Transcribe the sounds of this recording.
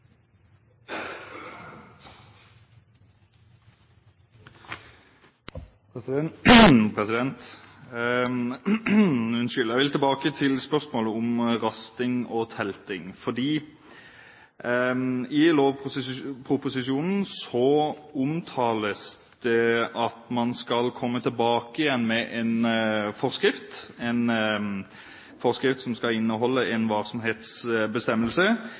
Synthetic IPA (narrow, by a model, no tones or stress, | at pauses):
pʰʁɛsɪd̪ɛnt̪ | ʉnʃʏljæʋɪlt̪ɛlbɑːkət̪ʰɪlspœʁsmoːləʊmʁɑst̪ɪŋot̪ʰɛlt̪ɪŋfɔd̪iː | ɪloːʋpʊpʰʁʊpʊsɪʃuːnn̩sɔʊmt̪ʰɑːləs | d̪̥ɛɑt̪mɑnskɑlkʰɔmːət̪ʰɪlbɑːkəɪjɛnːmɛʔɛnfɔʁskɾɪft̪ɛn | fɔʁskɾɪft̪sɔmskɑɪnːəɦɔlːəʔɛnʋɑʁsɔmɦeːt̪sbəst̪ɛmːəlsə